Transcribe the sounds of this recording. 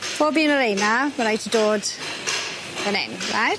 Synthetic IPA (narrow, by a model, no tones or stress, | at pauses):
fʰoːbiːənəɾejnaməɾajtʰədoːd | ənɛ̰nɹa̰jt